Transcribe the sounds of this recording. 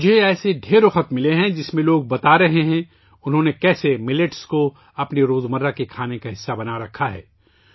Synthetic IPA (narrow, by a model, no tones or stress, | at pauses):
d͡ʒʱeɛːseɖʱeːɾoxɐt̪mɪleɦɛ̃d͡ʒɪsmẽloːɡ̚bɐt̪aɾɐɦeɦɛ̃ | ʊnɦõnekɛːsemɪleʈsko | ɐpneɾoːzmɐɾːakekʰaːnekaɦɪsːabɐnaɾɐkʰːaɦɛ̰ː